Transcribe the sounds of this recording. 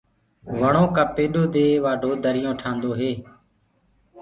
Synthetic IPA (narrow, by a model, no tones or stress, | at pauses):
ʋəɳõːkəːpeːɗoːd̪eːʋaːɖʱoːd̪əɾɪjõːʈʰãːnd̪oːɦeː